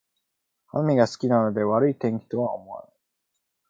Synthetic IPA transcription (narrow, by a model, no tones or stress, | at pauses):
hamʲiɡasɨ̥kʲinano̞d̪e̞βaɾɯ̟it̪ẽ̞ŋkʲi̥t̪o̞βao̰mo̞βa̰na